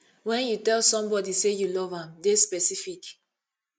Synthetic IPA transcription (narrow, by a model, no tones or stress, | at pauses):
wɛ̃njutɛlsɔ̃mbɔdisejulɔvãmdespɛsifik